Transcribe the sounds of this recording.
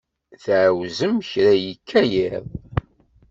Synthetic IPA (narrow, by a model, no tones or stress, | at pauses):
θʕwzəmçɾæjikʰːæjeðˤ